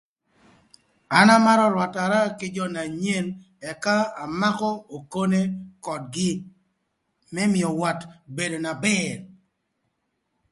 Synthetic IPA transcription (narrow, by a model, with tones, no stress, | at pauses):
a˨na˦ma˦ɾɔ˦lwa˨ta˨ɾa˦kɪ˦d͡ʒɔ˦na˨ɲe˦n | ɛ˨kaː˦˨ma˦kɔ˦o˨ko˦ne˦kɔ˨dɡɪ˦ | mɛ˦mɪ˨ɔ˨wa˨tbe˨do˨na˨bɛ˦ɾ